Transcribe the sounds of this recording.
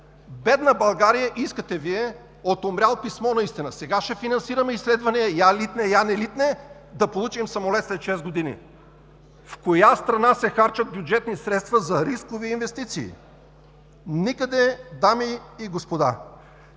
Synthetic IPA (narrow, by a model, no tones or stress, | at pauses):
bɛd̪nəbɐlˠɡaɾijəʔiskət̪ɛviɛ | ot̪omɾʲalˠpismɔnɐist̪inəsɛɡaʃɛfinɐnsiɾɐmɛislɛd̪vɐniɛjalit̪nɛjanɛlit̪nɛ | d̪ɐpolˠut͡ʃimsɐmolɛt̪slɛt̪ʃɛzɡod̪inḭ | fkojast̪ɾɐnasɛxaɾt͡ʃɐt̪̚bʲjud͡ʒɛt̪nisɾɛt̪st̪vɐzɐɾiskoviːnvɛst̪it̪sḭː | nikəd̪ɛd̪amiːɡospod̪a̰